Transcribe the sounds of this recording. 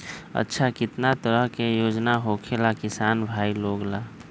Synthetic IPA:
ə̰tːʃʰakit̪nat̪əɾəɦkejod͡ʒnaɦokʰelakisanbʱailoɡla

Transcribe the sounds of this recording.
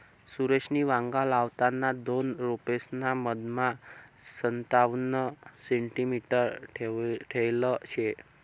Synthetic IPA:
suɾet͡ʃʰniʋãŋɡalaʋt̪anad̪onɾopesnaməd̪mã | sənt̪aʋnəseɳʈimiʈəɾ | ʈʰəjlot͡ʃʰe

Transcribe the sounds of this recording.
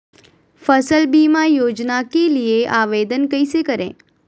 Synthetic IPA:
fəsəlbiːmajoːd͡ʒnakelieʔaːʋeːd̪ənkəisekəɾḛ̃ː

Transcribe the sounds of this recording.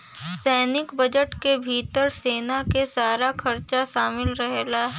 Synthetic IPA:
sɛːnɪkbɐd͡ʒəʈkebʱiːt̪əɾseːnakesaːɾakʰɐɾt͡ʃaʃaːmɪlɾɐɦlaːɦɛ

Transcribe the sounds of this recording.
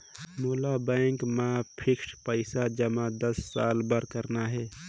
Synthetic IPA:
moːlabɛ̃ŋkmãpʰɪkʃpəɪsad͡ʒəmãd̪əsːaːlbəɾkəɾnaɦɛː

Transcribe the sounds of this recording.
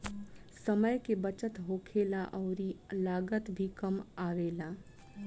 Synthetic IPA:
sɐməjkebət͡ʃət̪ɦoːkʰeːlaʔɔʊɾilaːɡət̪bʱikɐmaːʋeːlaː

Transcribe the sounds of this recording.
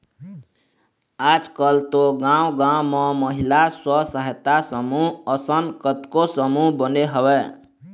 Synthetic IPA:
ad͡zkʌlt̪oɡãw̃ɡãw̃mʌmʌɦilaswʌsəɦet̪asʌmuʌsənkət̪kosʌmubʌneɦʌbe

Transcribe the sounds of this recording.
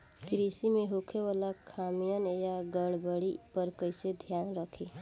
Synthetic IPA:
kɾisimeɦokʰewalakʰamijənjaɡəɽbəɽipəɾkəɪsed̪ʱjaːnɾəkʰe

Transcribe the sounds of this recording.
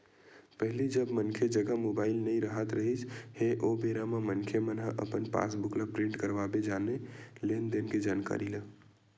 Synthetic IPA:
pəɦilid͡ʒəbmənkʰed͡ʒəɡəmobaɪlnəiɾəɦət̪ɾəɦit͡ʃʰheʔobeɾamamənkʰemənɦəʔə̰pənpa̰sbuklapɾĩɳʈkəɾʋabed͡ʒanelend̪enked͡ʒanka̰ɾilə

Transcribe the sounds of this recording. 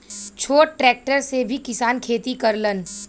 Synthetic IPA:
t͡ʃʰoːʈɾɛːk̚ʈəɾsebʱikɪsaːnkʰeːt̪ikɐɾlən

